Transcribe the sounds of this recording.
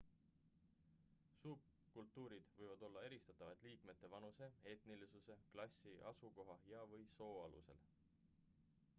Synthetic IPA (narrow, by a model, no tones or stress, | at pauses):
suːb̚ | kult̪ːˑuːɾid̪̥vɤjvɑd̪o̞lːɑe̞ɾist̪ɑt̪ːˑɑvɑt̪ˑliːkme̞t̪ˑːe̞vɑnuse̞e̞t̪nilisuse̞klɑsʲiʔɑsuko̞ɦɑjɑvɤjso̞ːɑlṵse̞̰l